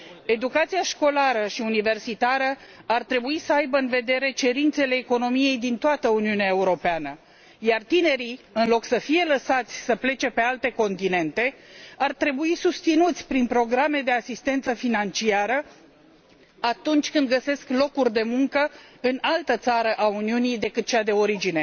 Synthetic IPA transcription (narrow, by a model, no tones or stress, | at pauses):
e̞d̪ukat̪sijaʃko̞laɾəʃiunive̞rsit̪aɾəart̪ɾe̞buisəajbəɨnve̞d̪e̞ɾe̞t͡ʃe̞ɾint̪se̞le̞ːko̞no̞mije̞jd̪int̪oat̪əuniuneae̞uɾo̞peanə | jart̪ine̞ɾiɨnlo̞ksəfije̞ləsat̪sʲsəple̞t͡ʃe̞pe̞alt̪e̞ko̞nt̪ine̞nt̪e̞art̪ɾe̞buisust̪sinut̪sʲpɾinpɾo̞ɡɾame̞d̪e̞asist̪e̞nt̪səfinant͡ʃiaɾə | at̪unt͡ʃʲkɨnd̪̚ɡəse̞sklo̞kurʲd̪e̞muŋkəɨnalt̪ət̪saɾəʔauniunijd̪e̞kɨt̪̚t͡ʃead̪e̞o̞ɾid͡ʒine̞